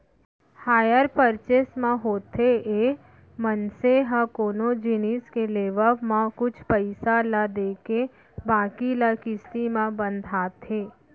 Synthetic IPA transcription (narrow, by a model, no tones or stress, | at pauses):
haːjəɾpəɾt͡ʃeːsmãɦoːt̪ee | mənseɦãkoːnod͡ʒɪniːskeleːʋəʋmãkʊt͡ʃʰpəɪsalad̪eːke | bãːkilakɪst̪imãbə̃nd̪ʱaːt̪ʰeː